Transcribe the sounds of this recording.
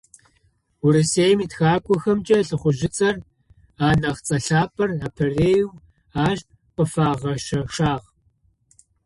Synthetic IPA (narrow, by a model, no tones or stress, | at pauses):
ʊɾɨseːjmiːtxaːkʷʼʊxɐmt͡ʃʼɐɬɨχʷʊʒɪt͡sʼɐr | aːnɐʁt͡sʼɐɬaːpʰʼɐraːpʰɐreːjuw | aːʒ̚ʼ | qəfaːʁɐʃɐʂaːʁ